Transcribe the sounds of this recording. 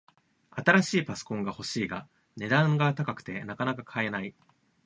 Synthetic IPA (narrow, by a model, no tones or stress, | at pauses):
at̪aɾaɕiːpaso̥kõ̞ŋɡaho̞ɕiːɡa | ne̞d̪ãŋɡat̪akakɯ̟̥t̪e̞nakanakakʰae̞nai